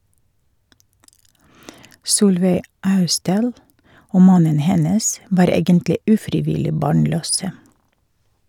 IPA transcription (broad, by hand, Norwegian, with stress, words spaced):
ˈsuːlʋeɪ ˈɑʉstdɑːl ˈoː ˈmɑnən ˈhɛnəs ˈʋɑːɾ ˈeːɡəntlɪ ˈʉːfɾɪˌʋɪlɪ ˈbɑːɳˌløːsə